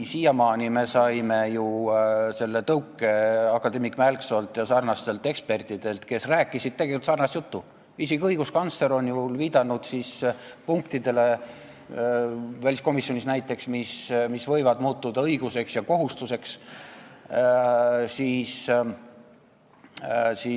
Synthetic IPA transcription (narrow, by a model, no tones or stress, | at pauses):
siːjɑmɑːnime̞sɑjme̞juse̞lːe̞t̪ɤwkːˑe̞ɑkːɑd̪e̞mikmælkso̞lt̪jɑsɑrnɑst̪e̞lt̪ːˑe̞kspe̞rt̪ˑid̪̥e̞lt̪ke̞sræːkːˑisid̪̥t̪eɡeikult̪sɑrnɑst̪jut̪ːu | vis̬ikɤjɡ̥uskɑnt̪sle̞ɾo̞njulviːd̪̥ɑnud̪̥sispuŋkt̪id̪̥e̞le̞ | vælʲisko̞misːjo̞nisnæjt̪ːˑe̞ksmismisvɤ̞jvɑd̪muːt̪ːud̪̥ɑɤjɡ̥use̞ksjɑko̞ɦust̪use̞ks | siːs | si